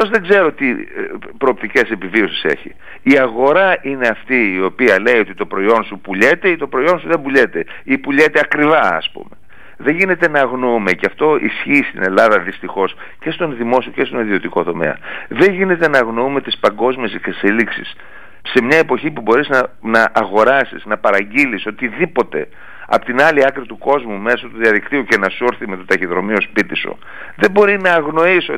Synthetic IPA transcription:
t̪o̞zðe̞ɡze̞ɾo̞t̪i | pɾo̞ːpt̪ice̞se̞pivio̞sise̞̰çḭ | iɐɣo̞ɾɐʔine̞ɐft̪iːo̞piɐle̞iot̪it̪o̞pɾo̞io̞nsupuʎe̞t̪e̞it̪o̞pɾo̞io̞nsuðembuʎe̞t̪e̞ | ipuʎe̞t̪eɐkɾivɐɐ̰spṵme̞ | ðe̞ʝine̞t̪e̞nɐɣnoume̞ceɐft̪o̞ʔḭsçiːst̪ḭne̞lɐðɐðist̪ixo̞s | ce̞st̪o̞nðimo̞sioce̞st̪oniðio̞t̪iko̞t̪o̞me̞̰ɐ̰ðe̞nʝine̞t̪e̞nɐɣno̞ume̞t̪ispɐŋɡo̞zmie̞sekseseliksḭs | se̞mɲɐe̞po̞çipubo̞ɾiznɐnɐʔːɣo̞ɾɐsḭsnɐpɐɾɐɟiliso̞t̪iðipo̞t̪e̞̰ | ɐ̰pot̪inɐliɐkɾit̪uko̞zmume̞sot̪uðiɐðikt̪iuce̞nɐsuɾθimet̪ot̪ɐçiðɾo̞mio̞spit̪iso̰ | ðebo̞ɾinɐːɣno̞iso

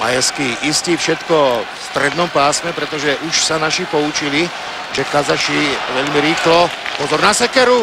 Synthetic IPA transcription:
ma̰jaskiʔist̪iːfʃɛt̪kɔ | st̪ɾɛd̪nɔmpaːsmɛpɾɛt̪ɔʒɛʔuʃsanaʃipɔut͡ʃili | ʒɛkazaʃiʋɛʎmiɾiːxlɔpɔzɔɾnasɛkɛɾu

